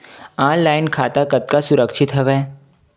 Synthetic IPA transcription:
aːnlaːɪnkʰaːt̪akɐt̪̚kasʊɾəkʃɪt̪ɦɛʋɛː

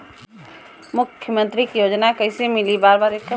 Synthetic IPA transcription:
mʊkʰːjəmə̃nt̪ɾikijoːd͡ʒnakɐɪsemɪlibaːɾbaːɾeːkː

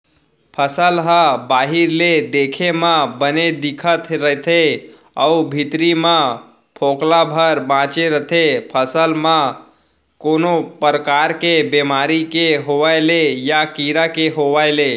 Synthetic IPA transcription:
pʰəsəlɦəbaɦiɾled̪ekʰemãbəned̪ikʰət̪ʰɾəɦt̪ʰe | əubʱit̪ɾimã | pʰoklabʱəɾbãt͡ʃeɾət̪ʰepʰəsəlmã | konopəɾəkaɾkebemaɾikeɦoʋajlejakiɾakeɦoʋaɪle

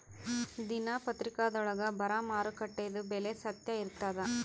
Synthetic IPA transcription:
d̪inaːpɐt̪ɾɪkaːd̪ɔɭɐɡɐbɐɾaːmaːɾɯkɐʈːɐjðɯbɛlesɐt̪jɐɪɾɯt̪ːaːðɐ

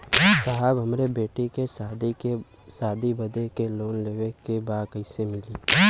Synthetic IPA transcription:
saɦəbɦɐmɾebeːʈikesd̪ | saːd̪ʱibɐd̪ekeloːnleːʋekebaːkəɪsemɪliː

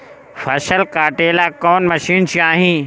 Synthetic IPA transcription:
fʰɐʃəlkaːʈeːlaːkɔːnmɐʃiːnt͡ɕʰjaːɦĩː

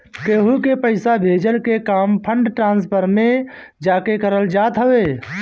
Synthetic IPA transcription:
keːɦukepəɪsabʱeːd͡ʒəlkekaːmpʰəɳɖʈɾãːnspʰəɾmẽ | d͡ʒaːkekəɾəld͡ʒaːt̪ɦəʋe

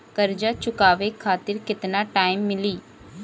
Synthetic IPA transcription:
kəɾd͡ʒaːt͡ʃʊkaːʋekʰaːt̪ɪɾkɪt̪naːʈaːɪmːɪliː

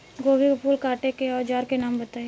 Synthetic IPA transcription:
ɡoːbibʊpuːlkaːʈekeɔːd͡ʒaːɾkenaːmbɐt̪aːe

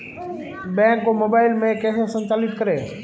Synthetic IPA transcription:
bɛ̃ːkːomoːbaːɪlmẽkeːsesə̃ɲt͡ʃaːlɪt̪kəɾeː

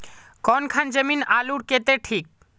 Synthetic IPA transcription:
kɔnkʰand͡ʒəminaluɽket̪eʈʰik̚

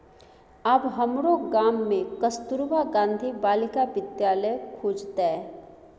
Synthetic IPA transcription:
ɐbɦəmɾoɡaːmːẽkəst̪uɾbaɡãːnd̪ʱibaːlɪkaʋɪd̪jaːləjkʰuːd͡ʒt̪ɛ

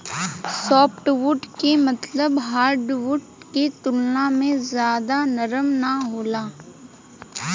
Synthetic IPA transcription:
sɔːpʰʈʋʊʈkemɐt̪ləbɦaːɾɖʋʊʈket̪ʊlnamẽzjaːd̪anɐɾəmnaɦoːlaː

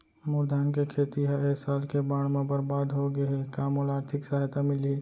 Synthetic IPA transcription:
mʊɾd̪aːnkekʰeːt̪iɦaeɦsaːlkebaːɽ̃mẽbəɾbaːd̪ɦoɡɐekaːmolaːɾt̪ʰɪksaɦjt̪amɪli

